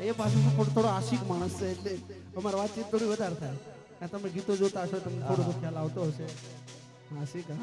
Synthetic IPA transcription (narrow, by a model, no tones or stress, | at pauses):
epas̬ũsət̪ʰoɽt̪ʰoɽoasiːkmaɽ̃əseelle | əmaɾaʋat̪t͡ɕiːt̪̚d̪oɽiːbəd̪ʱaɾt̪ʰaja | ãt̪aməɡʱit̪od͡zot̪asot̪əmt̪ʰoɽot̪okʰalaʋt̪oɦəse | asika